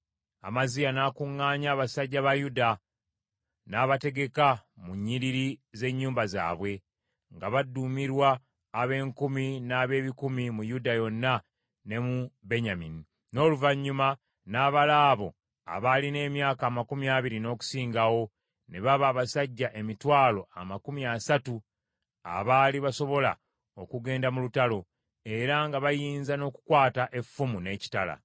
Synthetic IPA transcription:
a̰mazijanaːkuŋːaːɲaːβasaɟːaβajuda | naːβate̞ɡe̞kamuɲːiɾiɾize̞ɲːuːmbaza̰ːβwe̞ | ŋɡaβadːumiɾwaː | βe̞ːŋkuminaːβe̞ːβikumimujudajo̞nːa | ne̞mube̞ɲamini | no̞ːluvaɲːuma | naːβalaːβo̞̰ | a̰βaline̞ːmjaːkaːmakumiaːβiɾino̞ːku̥siːŋɡawo̞ | ne̞βaβaːβasaɟːaʔe̞mitwaːlo̞a̰makumiasatu | a̰βaːliβaso̞βo̞la̰ | okuɡe̞ːndamulutalo̞ | e̞ɾaŋɡaβajiːnzano̞ːku̥kwaːtaʔe̞fːumune̞ːci̥tala̰

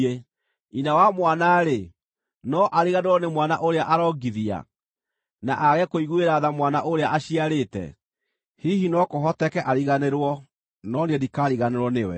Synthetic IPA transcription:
e | inawamwanaɾe | nɔʔaɾiɣaneɾwɔnemwana̰ʔoɾeaʔaɾɔɡiðia̰ | na̰ʔaɣɛkoiɣueɾaðamwanaʔoɾeaʔaɕiaɾetɛ̰ | hiɦinɔkoɦɔtɛkɛʔaɾiɣaneɾwɔ | nɔnedikaɾiɣaneɾwɔnewɛ̰

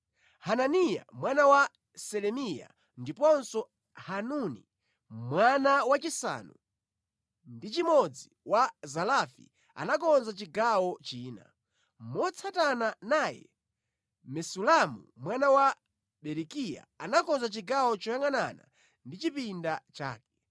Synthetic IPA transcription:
hananija̰mwanawa | sɛlɛmija̰ | ndipɔnsɔ | hanunḭ | mwanawat͡ʃisa̰ːnu | ndit͡ʃimɔd͡ziwazalafḭ | a̰nakɔnzat͡ʃiɡawɔt͡ʃiːna̰ | mɔt͡sʰatananaːjɛ̰ | mɛsulamṵmwanawa | ɓɛɾikija̰anakɔnzat͡ʃiɡawɔt͡ʃɔjaŋanana̰ | ndit͡ʃipindat͡ʃa̰ːkɛ̥

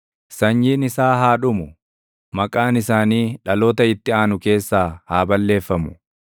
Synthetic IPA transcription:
sɐɲːiːnɪsaːɦaːᶑʊmʊ | mɐkʼaːnɪsaːniːᶑɐloːt̪ɐɪt̪ːɪaːnʊke̞ːsːaːhaːbɐlːe̞ːfːɐmʊ̥

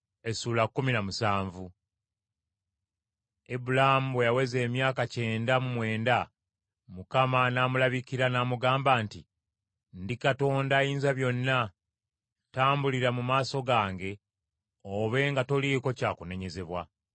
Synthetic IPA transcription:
e̞suːlakːuminamusaːɱvu | ebulahamuwejawe̞ze̞ːmjaːkace̞ːndamumwe̞ːnda | mukamanaːmulaβikiɾanaːmuɡaːmbaːnti | ndikato̞ːndajiːnzaβjo̞nːa | taːmbuliɾamumaːso̞ɡaːŋɡe̞ | oβe̞ŋɡato̞liko̞caːkune̞ɲe̞ze̞βwa

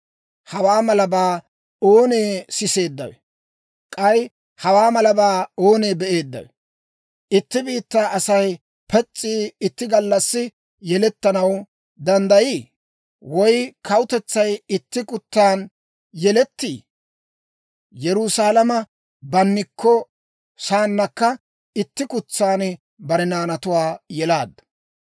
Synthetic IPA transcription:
hɐwaːmɐlɐbaː | o̞ːne̞ːsɪse̞ːd̪ːɐwɛ̰ | kʼɐj | hɐwaːmɐlɐbaːo̞ːne̞ːbɛʔe̞ːd̪ːɐ̰wɛ | ʔɪt̪ːɪbiːt̪ːaːʔɐsɐj | pɛt͡sʼːiːɪt̪ːɪɡɐlːɐsːɪ | jɛlɛt̪ːɐnɐw | d̪ɐnd̪ɐjiː | wɔjkʰɐwʊt̪ɛt͡sːɐjɪt̪ːɪkʼʊt̪ːaːn | jɛlɛt̪ːḭː | jɛɾʊsaːlɐmɐ | bɐnːɪkːɔ | saːnːɐkːɐ | ɪt̪ːɪkʊt͡sːaːn | bɐɾɛnaːnɐt̪ʊwaːjɛlaːd̪ːɐ̥

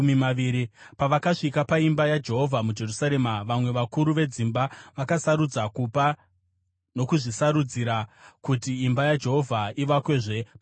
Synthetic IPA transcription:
mimaiɾipaʋakaʂikapaimbajad͡ʒe̞ɦo̞vʱamud͡ʒe̞rusaɾe̞maʋamwe̞ʋakuɾuʋe̞d͡zimbaʋakasaɾud͡zakupa | no̞kuʐisaɾud͡ziɾakutiːmbajad͡ʒe̞ɦo̞vʱaiʋakwe̞ːʐe̞p

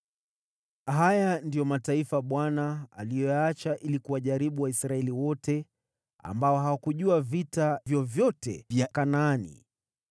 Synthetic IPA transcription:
ɦajandijɔmataifaɓwanaa̰lijɔjaat͡ʃaʔilikuwaʄaɾiɓuwaisɾaɛliwɔtɛ | a̰mbaɔɦawakuʄuavitavjɔvjɔtɛ̰vjakanaːnḭ

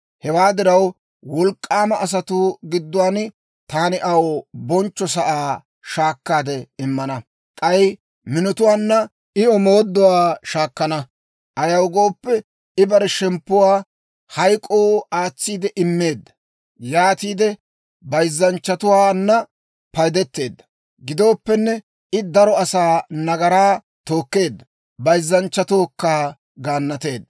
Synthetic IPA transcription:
hɛwaːd̪ɪɾɐw | wɔlkʼːaːmɐʔːs̬ɐt̪ʊɡɪd̪ːʊwaːn | t̪aːnɪʔɐwbɔnt͡ʃːɔs̬ɐʔaː | ʃaːkːaːd̪ɛɪmːɐnɐ | k̪ʼɐj | mɪnɔt̪ʊwaːnːɐ | ɪɔmo̞ːd̪ːɔwaːʃaːkːɐnɐ | ʔɐjɐwɡo̞ːpːɛ | ɪbɐɾɛʃɛmpːʊwaː | hɐjkʼːoːaːt͡sːiːd̪ɛʔɪmːeːd̪ːɐ̥ | jaːt̪iːd̪ɛ | bɐjzːɐnt͡ʃːɐt̪ʊwaːnːɐ | pɐjd̪ɛt̪ːe̞ːd̪ːɐ̥ | ɡɪd̪o̞ːpːɛnːɛ | ɪd̪ɐɾɔɐsaːnɐɡɐɾaː | t̪o̞ːkːe̞ːd̪ːɐ | bɐjzːɐnt͡ʃːɐt̪oːkːaː | ɡaːnːɐt̪e̞ːd̪ːɐ

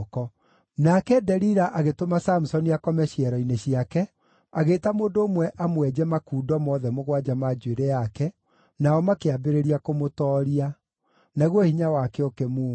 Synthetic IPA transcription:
kɔ | nakɛdɛɾiɾaʔaɣetomasamusɔniakɔmɛɕiɛɾɔineɕiakɛ | aɣeːtamoːndoːmwɛʔamwɛd͡ʑɛmakuːdɔmɔðɛmoɣwad͡ʒamad͡ʒueɾɛjakɛ | naɔmakeabeɾeɾiakomotɔːɾia | naɣwɔhiɲawakɛokɛmuː

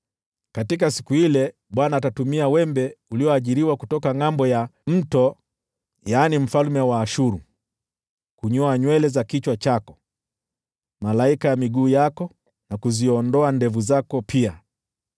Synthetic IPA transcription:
katik̬asikuhilɛ | ɓwanaːtatumiawɛmbɛuliɔaʄiɾiwakutɔkaŋambɔjam̩tɔ | jaːnim̩falmɛwaːʃuɾu | kuɲɔaɲwɛlɛzakit͡ʃwat͡ʃakɔ | malaikajamiɠuːjakɔ | nakuziɔndɔandɛvuzakɔpʰia

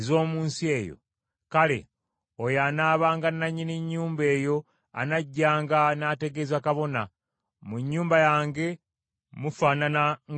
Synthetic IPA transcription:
zo̞ːmuːnsie̞ːjo̰ | kale̞̰ | ojaːnaːβaːŋɡanːaɲːiniɲːuːmbe̞ːjo̞ | a̰naɟːaːŋɡanaːte̞ɡe̞zakaβo̞na | muɲːuːmbajaːŋɡe̞ | mufaːnana

